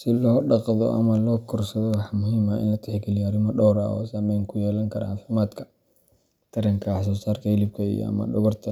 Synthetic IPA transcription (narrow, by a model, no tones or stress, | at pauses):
sɪlɔːɖɑqðɔ̰ʔɐ̰mɐlɔːkʰʊrsɐðɔwɑħmʊɦiːmaʔɪ̰nʊt̪ʰɛħɡɪlɪjaːɾɪmɔɖɔwɾa̰ɔ̰ːsaːmɛjŋkʰʊjɛːlɐŋkʰɐɾɐaːfɪmaːd̪kʰɐ̥ | t̪ʰɐɾɐŋkʰɐħɑs̬ɔːsaːrkʰɐhɪlɪb̚kʰɐḭjɔ̰ɐ̰mɐ̰ɗʊɣɐrt̪ʰɐ